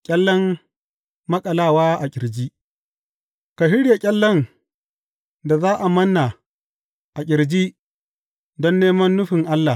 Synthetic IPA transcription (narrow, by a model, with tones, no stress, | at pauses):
kʲʼɐ˦lːɔ˦mː | ɐ˦kʼɐ˨laː˦˨waː˦ʔa˨kʲʼɪ˨ɾd͡ʒi˦ʔ | ka˨hɪ˦ɽja˨kʲʼɐ˦lːɔ˦ŋ | da˨zaː˦ʔa˨mɐ˦nːa˨ | ʔa˨kʲʼɪ˨ɾd͡ʒiː˦ | dɔ˦nːeː˦mɐ˦nːʊ˦ɸɪ˨ŋʔa˦lːa˨